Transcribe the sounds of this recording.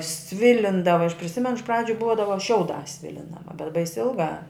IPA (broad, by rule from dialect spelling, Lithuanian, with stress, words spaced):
ˈsʲʋʲɪlʲɪndɐʋɐ ɐʃ pʲrʲɪˈsʲɪmʲɛnʊ ɪʃ ˈprɑːd͡ʒʲʊ ˈbuɔdɐʋɐ ˈʃʲɛʊˌdɑːs ˈsʲʋʲɪlʲɪndɐʋɐ bʲɛt bɐɪsʲ ˈɪlˠˌɡɑː